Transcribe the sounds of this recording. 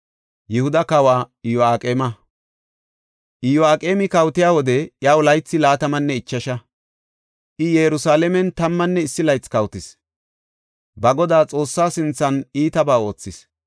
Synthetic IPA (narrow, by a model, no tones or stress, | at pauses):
jɛhʊd̪ɐkɐwaːɪjɔaːkʼeːmɐ | ʔɪjɔaːkʼeːmɪkɐwt̪ɪjaːwɔd̪ɛjawlɐjt͡sːɪlaːt̪ɐmɐnːɛɪt͡ʃːɐʃɐ | ʔɪjɛjɾʊsaːlɛmɛnt̪ɐmːɐnːɛɪsːɪlɐjt͡skɐwt̪ɪs | bɐɡɔd̪aːt͡sʼo̞ːsːaːsɪnt͡sːɐniːt̪ɐbaːo̞ːt͡sːɪs